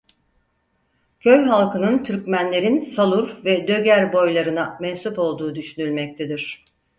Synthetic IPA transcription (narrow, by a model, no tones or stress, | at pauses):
cʰø̞jɦalˠkʰɯnɯnt̪ʰyɾcmænlʲe̞ɾinsalˠuɾvɛd̪ø̞ɟæɾbo̞jlˠaɾɯnamɛnsupo̞lˠd̪uːd̪yʃynylʲmɛc̚t̪ʰed̪iɾ̝̥